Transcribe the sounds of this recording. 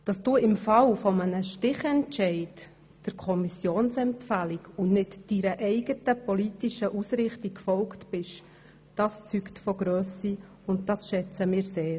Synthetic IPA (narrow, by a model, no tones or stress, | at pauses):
d̥ɑsd̥uːɪmfɑlfɔmənəʃtɪχɛntt͡ʃɛɪd | d̥əɾkʰɔmisjoːnsɛmpfælikʊnnɪtd̥iɾəʔɛɪɡ̥ətəpɔliːtiʃəʔusɾɪχtikfɔlktb̥ɪʃ | d̥ɑst͡syktfɔɡ̥ɾøːsi | ʊntdɑsʃɛt͡səmɪːɾseːɾ